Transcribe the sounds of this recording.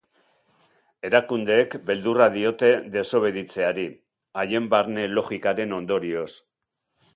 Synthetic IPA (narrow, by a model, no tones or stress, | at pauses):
e̞ɾakund̪e̞ːkbe̞ld̪uraðio̞t̪e̞ðe̞so̞β̞e̞ðit͡se̞aɾi | aje̞mbaɾne̞lo̞ɣikaɾe̞no̞nd̪o̞ɾio̞s